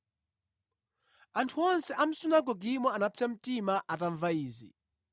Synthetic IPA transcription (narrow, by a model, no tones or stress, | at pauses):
antʰuɔnsɛʔam̩sunaɡɔɡimɔanapʰi̥tam̩timaʔataɱvaiːzḭ